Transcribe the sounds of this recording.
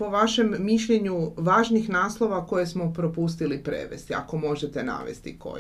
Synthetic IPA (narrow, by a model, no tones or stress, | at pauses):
po̞ʋaʃemːiʃʎeɲuʋaːʒnixnaːslˠo̞ʋako̞jesmopɾopust̪ilipɾḛʋe̞̰st̪ia̰ko̞mo̞ʒet̪ena̰ʋe̞̰st̪iko̰